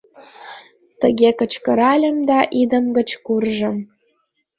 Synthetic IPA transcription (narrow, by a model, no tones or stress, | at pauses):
t̪əɣʲekət͡ɕkə̆ɾɑlʲə̆md̪ɑʔid̪ə̆mɡə̆t͡ɕkurʒə̆m